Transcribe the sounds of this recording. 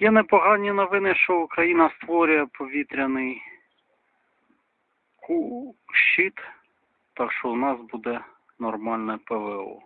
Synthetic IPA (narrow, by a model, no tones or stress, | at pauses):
jɛnɛpɔɦɑnʲinɔʋɪnɪʃt͡ʃɔukɾɐjinɐst̪ʋɔɾʲʊjɛpɔʋʲit̪ɾʲɐnɪj | kuʃt͡ʃit̪ | t̪ɑkʃt͡ʃɔwnɑsbud̪ɛ | nɔrmɑlʲnɛpɛʋɛɔ̰